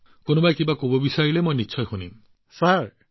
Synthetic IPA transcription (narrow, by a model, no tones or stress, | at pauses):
konɔbajkimbakobɔbisailemojnitːt͡ʃʰɔjhunim | saɾ